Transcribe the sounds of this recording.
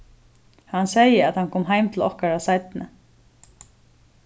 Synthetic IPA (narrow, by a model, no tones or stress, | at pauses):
hansɛjəæt̪hankʰɔːmɦaɪjmt̪ʰɪlɔ̰hkaɾasajt̪nə